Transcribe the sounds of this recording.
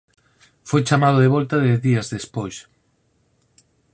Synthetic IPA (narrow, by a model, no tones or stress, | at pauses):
fojt͡ʃamað̞oðeβɔlt̪aðeðiazðespojs